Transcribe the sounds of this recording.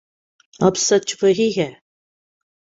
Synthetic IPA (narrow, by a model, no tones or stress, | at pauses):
ɐbsɐt͡ʃʰvəɦiɦɛ